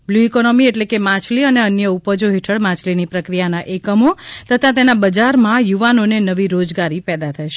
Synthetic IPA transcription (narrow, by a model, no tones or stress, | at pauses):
bljuikonomieʈlekemãt͡ʃʰliəneənjəupəd͡ʒoɦeʈʰəɭmãt͡ʃʰlinipɾəkɾijanaʔekəmot̪ət̪ʰãt̪enabəd͡ʒaɾmãjuʋanonenəʋiɾod͡ʒɡaɾipɛd̪at̪ʰəjʃe